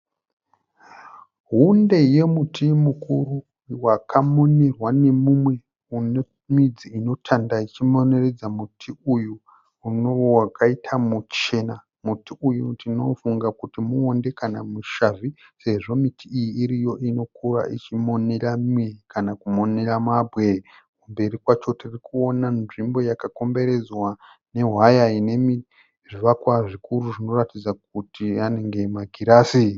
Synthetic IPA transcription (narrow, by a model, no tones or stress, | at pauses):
ɦunde̞je̞mutʰimukuru | wakʰamo̞ne̞rwane̞mumwe̞ | une | mid͡ziino̞tʰandait͡ʃimo̞ne̞re̞d͡zamutʰiujuː | noowakʰaitʰamut͡ʃe̞na | mutiujutino̞fuŋɡakutimuonde̞kanamuʃavise̞ʐo̞mitʰiːjiːɾijo̞ʔino̞kura̰ʔit͡ʃimo̞neramwekʰanakumo̞ne̞ramabwe̞ | kumbe̞ɾikwat͡ʃo̞tirikuo̞nanʐimbo̞jakako̞mbe̞ɾe̞d͡zwa | ne̞ɦwajaine̞mi | ʐiʋakwaʐikuɾuʐino̞ratid͡zak̚utiane̞ŋɡe̞maɡʱiɾaːsi